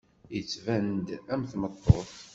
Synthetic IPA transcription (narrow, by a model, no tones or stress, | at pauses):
jət͡sːvænd̪æmθmət̪ˤːoθ